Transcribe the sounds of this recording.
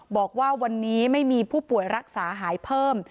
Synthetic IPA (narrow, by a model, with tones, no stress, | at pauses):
bɔː˨˩k̚waː˥˩wa˧nːiː˦˥ma˥˩jmiː˧pʰuː˥˩pu˨˩əjɾa˦˥k̚saː˩˦ɦaː˩˦jpʰɤː˥˩m